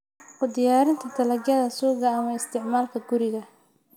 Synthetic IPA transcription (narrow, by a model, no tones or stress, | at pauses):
qʊd̪ɪjaːɾɪnt̪ʰɐt̪ʰɐlɐɡjɐðɐsuːɣɐːmɐɪst̪ʰɪʕmaːlkʰɐɡʊɾɪɣɐ